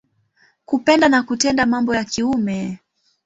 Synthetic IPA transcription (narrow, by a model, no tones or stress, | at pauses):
kupɛndanakutɛndamambɔjakiumɛ